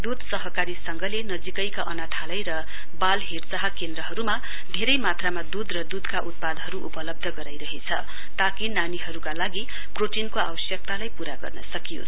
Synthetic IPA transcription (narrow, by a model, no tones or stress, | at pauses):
d̪ud̪ʱsʌɦʌkaɾisʌŋɡʌlenʌd͡zikʌjkaʔʌnat̪ʰalʌjɾʌ | balɦirt͡saɦʌkend̪rʌɦʌɾuma | d̪ʱeɾʌjmat̪ramad̪ud̪rʌd̪ud̪kaʔut̪̚pad̪ɦʌɾuʔupʌlʌb̚d̪ʱʌɡʌɾajɾʌɦet͡sʰʌ̰ | t̪akinaniɦʌɾukalaɡi | proʈinkoa̰wʌsjʌk̚t̪alajpuɾaɡʌ̰rnʌ̰sʌkijo̰